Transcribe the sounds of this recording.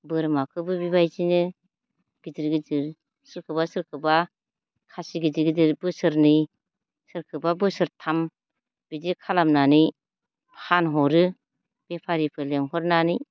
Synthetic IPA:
bɯɾmakʰɯbɯbibajzinɯ | ɡ̥idiɾɡidiɾ | sɯɾkʰɯbasɯɾkʰɯba | kʰasiɡidiɡidiɾbɯsɯɾnɯ | sɯɾkʰɯbabɯsɯɾtʰam | b̥idikʰalamnanɯj | phanɦɔɾɯ | b̥epʰaɾipʰɯleŋɦɔɾnanɯj

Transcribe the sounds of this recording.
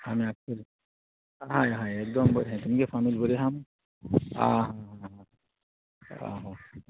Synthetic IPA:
hameaːp̚səɾ | ɦajɦãek̚d̪ɔmbəɾɦɛ̃t̪umkefʰaːmilbəɾeɦam | ã̰ɦãɦãɦã | a̰ɦa

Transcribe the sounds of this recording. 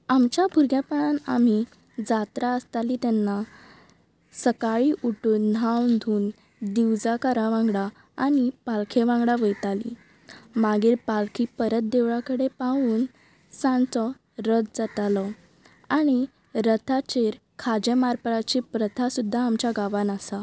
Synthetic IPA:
amt͡ɕjabʱuɾɡjapəɳana̰m̤i | d͡zat̪ɾaəst̪aliːt̪ɛnːa | səkaɭiʔuʈuːnːʱawnd̪ʱuːn | d̪iwd͡zakəɾaʋãŋɡɽa | aɽ̃ipalkʰeʋãŋɡɽaʋəjt̪alḭ | maɡiːɾpalkʰipəɾət̪̚d̪eʋɭakəɽepaʋuːn | sãnt͡sɔ | ɾət̪d͡zat̪alɔ | aɽ̃i | ɾət̪ʰat͡ɕeɾ | kʰad͡ʑemaɾpəɾat͡ɕipɾət̪ʰasud̪ʱːaːmt͡ɕjaɡaʋanasa

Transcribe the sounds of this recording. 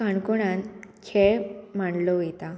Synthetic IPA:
aɳkoɽ̃ãnkʰeɭm̤aɳlɔet̪a

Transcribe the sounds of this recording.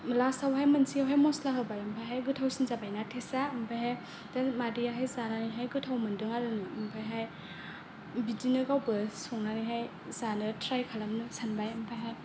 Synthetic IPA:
mlasawɦajmɐnsiawɦajmɔslaɦɯbajampʰajɦajɡɯtʰawsinzabajnatʰesaɯmbʰajɦaj | damadijaɦajzananiɦajɡɯtʰawmɯndɯŋaɾɯnɯɯmpʰajɦaj | bidinɯɡawbɯsɔŋnaniɦaj | zanɯtʰɾajkʰalamnɯsanbajampʰajɦaj

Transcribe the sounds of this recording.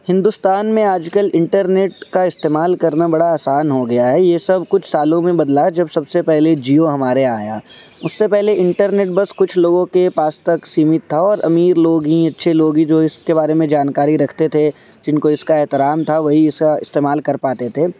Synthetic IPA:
hɪ̃nd̪ʊst̪aːnmẽaːd͡ʒkəlɪ̃ɳʈəɾneːʈ̚kaɪst̪eːmaːlkɐɾnabɐɽaaːsaːnɦoɡɐjaɦɛːjesɐbʱkʊt͡ʃʰsaːlõmẽbɐd̪lad͡ʒɐbsɐbsepɛɦled͡ʒiːoɦɐmaːɾeaːjaːʊsːepɛɦleɪ̃ɳʈəɾneːʈbɐskʊt͡ʃʰloːɡõkepaːst̪ɐksiːmɪt̪ʰːaɔːɾɐ̰miːɾloːɡɦiɐtːʃʰeloːɡɦid͡ʒoːɪskebaːɾemẽd͡ʒaːnkaːɾiɾɐkʰt̪et̪ʰe | d͡ʒɪnkoɪskaɛɦt̪ɪɾaːmt̪ʰaʋɐɦiɪskaɪ̰st̪eːmaːlkɐɾpaːt̪et̪ʰeː

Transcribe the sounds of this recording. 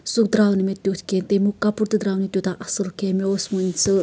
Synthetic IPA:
sukd̪ɾawnimet̪ʲjut̪ʰkent̪emukːapuɾt̪ɨd̪ɾawnit̪jot̪aʔɐsɨlkemeosmɨnʲt͡sɨ

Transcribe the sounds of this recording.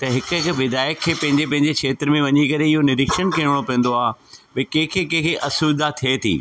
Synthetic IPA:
t̪ɐɦɪkʊɪkʋɪd̪aːjəkʰːeːpɐ̃ɦɪ̃ɲd͡ʑepɐ̃ɦɪ̃ɲd͡ʑekʰeːt̪ɾmẽʋɐɲikɐɾeɪɦonɪɾɪkʃənkeːɽ̃opɛ̃ːə̃n̆d̪oaːɦbɐkẽːkʰekẽːkʰeʔɐsuːd̪at̪ʰiet̪ʰḭː

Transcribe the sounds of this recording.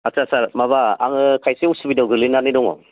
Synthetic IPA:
asasaɾmaβaa̰ŋɯkʰajseusubidawɡɯlinanidɔŋɔ̰

